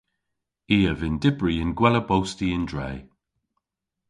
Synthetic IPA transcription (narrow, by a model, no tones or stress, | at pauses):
iːəvɪndɪbɹiɪnɡwɛləbowstiɪndɹɛj